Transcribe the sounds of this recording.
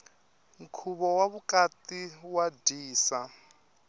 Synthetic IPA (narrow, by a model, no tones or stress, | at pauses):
ŋ̩kʰuβɔwaβukatiwadiːsa